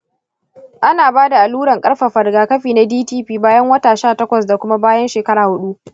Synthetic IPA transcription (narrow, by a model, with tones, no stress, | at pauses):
ʔa˦naː˨baː˦da˨ʔa˨luː˦ɽɐ˨ŋkʼɐ˦ɽɸa˨ɸɐ˨rɡaː˨kɐ˦ɸiː˨na˦diː˦tiː˦ɸiː˦baː˦jɐ˦ŋwɐ˦taː˨ʃaː˦˨tɐ˦kʷɐ˨sda˨kʷʊ˦ma˦baː˦jɐ˦nʃeː˨kɐ˦ɾaː˨hʊ˦ɗu˦ʔ